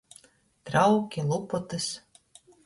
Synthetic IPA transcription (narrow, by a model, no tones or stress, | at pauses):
t̪ɾawkʲilˠupɔt̪ɨs